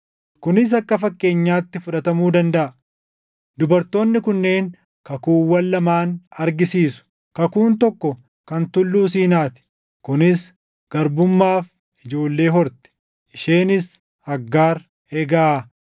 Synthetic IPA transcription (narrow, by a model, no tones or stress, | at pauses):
kʊnɪs̬ɐkːɐfɐkʼːe̞ːɲːaːt̪ːɪfʊᶑɐt̪ɐmuːd̪ɐnd̪ɐʔɐ | d̪ʊbɐɾt̪o̞ːnːɪkʊnːe̞ːŋ | kɐkuːwːɐlːɐmaːnɐɾɡɪsiːsʊ̥ | kɐkuːnt̪ɔkːɔ | kɐnt̪ʊlːuːsiːnaːt̪ɪ̥ | kʊnɪs | ɡ̥ɐɾbʊmːaːf | ɪd͡ʒo̞ːlːe̞ːɦɔɾt̪ɛ̥ | ʔɪʃeːnɪs | hɐɡːaːɾ | ɛɡaa